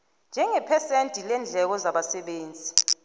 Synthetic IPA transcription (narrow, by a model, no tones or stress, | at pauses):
nd͡ʒʱɛŋɛpʰɛsentʼilɛnd͡ɮʱɛk̬ɔzaɓasɛɓeːnd͡zʱi